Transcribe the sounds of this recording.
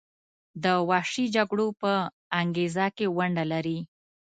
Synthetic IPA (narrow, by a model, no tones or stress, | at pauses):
d̪əwɑʂid͡ʒaɡɽopə | aŋɡezakewaɳɖalaɾi